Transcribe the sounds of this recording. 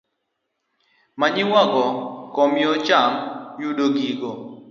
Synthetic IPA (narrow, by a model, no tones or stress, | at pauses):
maɲɪwaɡɔkɔmjot͡ʃamjuɗoɡiɡo